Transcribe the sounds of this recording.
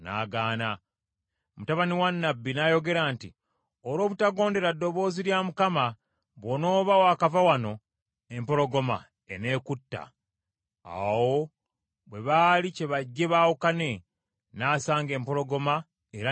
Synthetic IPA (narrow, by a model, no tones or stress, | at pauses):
na̰ːɡaːna | mutaβaniwanːabːinajo̞ɡe̞ɾaːnti | oɾo̞ːβutaɡo̞ːnde̞ɾadːo̞βo̞ːziɾjamukama | βwono̞ːβawakavawano̞ | e̞mpo̞lo̞ɡo̞ma̰ | ene̞ːkutːa̰ | a̰wo̞ | βwe̞βalice̞βaɟːe̞βaːwokane̞ | naːsaːŋɡe̞ːmpo̞lo̞ɡo̞ma | eɾa